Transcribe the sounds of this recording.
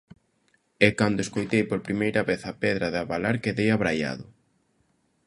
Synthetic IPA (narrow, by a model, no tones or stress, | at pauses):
ɛkand̪oʊeskojt̪ejpoɾpɾimejɾɐβeθɐpɛðɾɐðaβalaɾkeðejaβɾaja̰ðʊ